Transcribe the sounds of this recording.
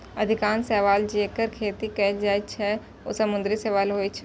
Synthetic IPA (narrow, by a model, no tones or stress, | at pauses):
ɐd̪ʱɪkaːnsɛʋaːld͡ʒeːkəɾkʰeːt̪ikɛːld͡ʒaːit͡ʃʰɛ | o̰sɐmʊ̃nd̪ɾisɛʋaːlɦoːit͡ʃʰɛ